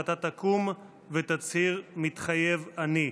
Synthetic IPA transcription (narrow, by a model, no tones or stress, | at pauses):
t̪at̪akum | vet̪at͡shiʁmit̪χajevani